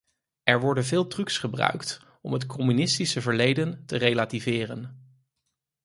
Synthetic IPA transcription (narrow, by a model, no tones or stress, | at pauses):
ɛɹʋɔɹdənvɪːlˠtryksχəbrœ̰ɥkt | ɔmɦətkʰɔmynɪstisəvəɹlejdəntərejlaːtivɪːrən